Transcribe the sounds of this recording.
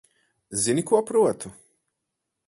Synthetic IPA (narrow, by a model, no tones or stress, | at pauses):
zinikuapɾuɛt̪ʰu